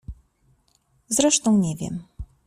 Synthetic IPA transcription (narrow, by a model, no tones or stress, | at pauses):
zɾɛʂt̪ɔ̃w̃ɲɛvʲjɛ̰m